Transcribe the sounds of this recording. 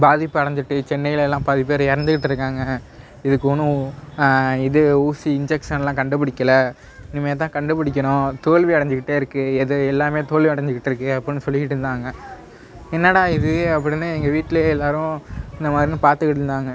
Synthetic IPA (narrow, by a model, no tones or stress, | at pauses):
baːðɪpːɯɐɽɐɲd̪ɯʈːɯt͡ʃɛnːɐjɪlɛlːãːpɐðɪpːeːɾɪɾɐnd̪ɯkɪʈːɪɾɯkːaːŋɡɐ | ɪðɯkːɯɔnɯ̃ | ɪðɯuːsiɪɲd͡ʒɛkʂɐnɛlːãːkɐɳɖɯpɐɽɪkʲːɐlɐ | nɪmːɐeːt̪̬ãːkɐɳɖɯpɐɽɪk̬ʲːɐɳʊ̃t̪oːɭʋiɐɽɐɲd͡ʒɯkɪʈːeːɪɾɯkːɯɛðɯɛlːaːmeːt̪oːɭʋiɐɽɐɲd͡ʒɯkɪʈːɪɾɯkːɯɐpːɐɽɪnːɯsɔlːɯkɪʈːɯnd̪aːŋɡɐ | ɛnːɐːɽaːɪðɯɐp̬ːɐɽɪnːaːɛŋɡɐʋiːʈːɪleɛlːaːɾʊ̃ɪnd̪ɐmaːd̪ɾinɯ̃paːɾt̪ɯkɪɽɯnd̪aːŋɡɐ